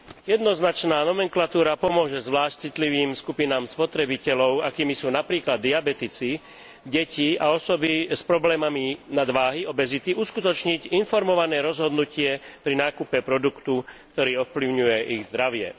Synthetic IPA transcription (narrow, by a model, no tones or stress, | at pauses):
jɛd̪nɔznat͡ʃnaːnɔmɛŋklat̪uːɾapɔmʊɔʒɛzʋlaːʃc̚t͡sit̪liʋiːmskupinaːmspɔt̪ɾɛbicɛlɔʊakiːmisuːnapɾiːklad̪ːiabɛt̪it͡si | ɟɛciaɔsɔbispɾɔblɛːmaminad̪ʋaːɦiɔbɛzit̪iuskut̪ɔt͡ʃɲiɟinfɔɾmɔʋanɛːɾɔzɦɔd̪nucɪɛpɾinaːkupɛpɾɔd̪ukt̪uk̚t̪ɔɾiːɔfpliʊɲujɛʔiɣzd̪ɾaʋɪɛ̰